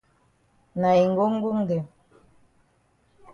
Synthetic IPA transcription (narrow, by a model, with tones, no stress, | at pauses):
na˨i˨ŋ˦ɡo˦ŋ˦ɡu˦ŋde˨m